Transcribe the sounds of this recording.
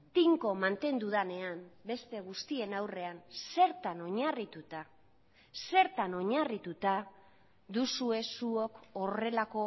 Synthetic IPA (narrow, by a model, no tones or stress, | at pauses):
t̪iŋko̞mant̪e̞nd̪uðane̞ambe̞st̪e̞ɣ̞ust̪ie̞nawre̞anse̞ɾt̪ano̞ɲarit̪ut̪a | se̞ɾt̪ano̞ɲarit̪ut̪a | ðusue̞suo̞kore̞lako̞